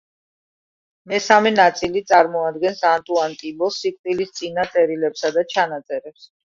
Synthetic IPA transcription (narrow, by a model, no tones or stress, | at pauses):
mɛsamɛnat̪sʼilit̪sʼaɾmɔad̪̚ɡɛnsant̪ʼuant̪ʼibɔsːikʼt̪ʼilist̪sʼinat̪sʼɛɾilɛpsad̪at͡ʃʰanat̪sʼɛɾɛps